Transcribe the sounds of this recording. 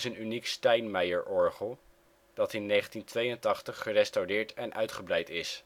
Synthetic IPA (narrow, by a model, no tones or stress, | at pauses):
sənynikstɛjnmɛjəɹʔɔɹχəlˠ | d̥ɑtɪnːejχəntintʋejəntɑχtəχːərɛstawdɪːɹtɛnʔœ̰ɥtχəbrɛjtɪs